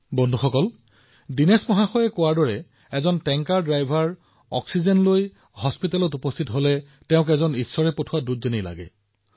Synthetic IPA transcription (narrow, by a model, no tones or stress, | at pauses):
bɔndʱuxɔkɔl | dinesmɔɦaxɔjɛkʊwaɹdɔɹɛ | ɛzɔntɛŋkaɹdɹajbʱaɹ | ɔ̰ksizɛnloj | hɔspitalɔtupɔstʰitɦolɛ | tɛʊ̃k̬ɛzɔnisːɔɹɛpotʰʊwadutzenijla̰ɡɛ̰